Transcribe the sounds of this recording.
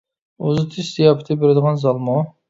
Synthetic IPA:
ozɨt̪ʰist̪ijɑpʰɨt̪ʰɪbeɾɪd̪əʁɑnzɑlˠmu

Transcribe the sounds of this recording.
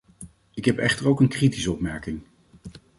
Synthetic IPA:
ɪkɦɛpɛχtəɹowkənkritisəɔpmɛɹkɪŋ

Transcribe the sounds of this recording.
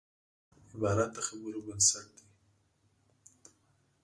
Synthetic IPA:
ɪbɑɾat̪̚d̪əxabəɾobɪnsaʈ̚d̪e

